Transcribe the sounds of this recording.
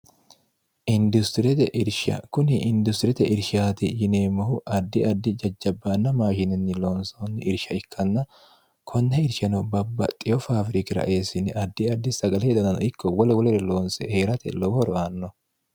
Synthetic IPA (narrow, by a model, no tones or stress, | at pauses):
ʔɪnd̪ʊst̪ɪɾɛt̪ɛ̰ʔɪɾʃɐ̰kʊnɪʔɪnd̪ʊst̪ɪɾɛt̪ɛʔɪɾʃaːt̪ɪjɪneːmɐhʊʔɐd̪ːɪɐd̪ːɪd͡ʒɐd͡ʒːɐbːaːnːɐmaːʃɪnɪnːɪloːnsɐnːɪʔɪɾʃɐɪkʰːɐnːɐ | kʰɔnːɛɪɾʃɐnɔbɐbːɐ̰t̪ʼɪjɔfaːfɾɪkɪɾɐ̰ʔe̞ːsɪnɪʔɐd̪ːɪɐd̪ːɪsɐɡɐlɛd̪ɐnɐnɔ̰ɪkːɔwɔlɛwɔlɛɾɛlo̞ːnsɛ̰he̞ːɾɐt̪ɛ̰lɔwɔɾɔaːnːɔ